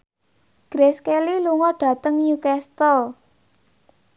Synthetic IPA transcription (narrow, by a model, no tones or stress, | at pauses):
ɡ̥ɾeskeliluŋɔɖ̥ä̤t̪əŋjukɛst̪ɔl